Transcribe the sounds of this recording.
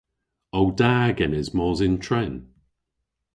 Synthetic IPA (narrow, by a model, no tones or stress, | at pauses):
owdaːɡɛnɛzmɔːzɪntʰɹɛn